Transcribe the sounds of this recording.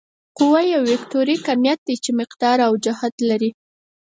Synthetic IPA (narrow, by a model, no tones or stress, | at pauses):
qʊwajawːekt̪oɾikamjat̪̚d̪it͡ʃemɪqd̪ɑɾawd͡ʒahad̪laɾi